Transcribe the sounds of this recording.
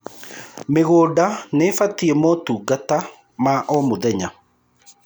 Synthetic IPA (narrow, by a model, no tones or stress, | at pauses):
meɣoːdanefatiemɔtuːɡata | maʔɔmoðɛɲa